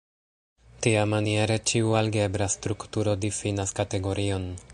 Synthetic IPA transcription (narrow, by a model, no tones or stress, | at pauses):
tiamanie̞ɾe̞t͡ʃiualɡe̞bɾastɾuktuɾo̞difinaskate̞ɡo̞ɾio̞n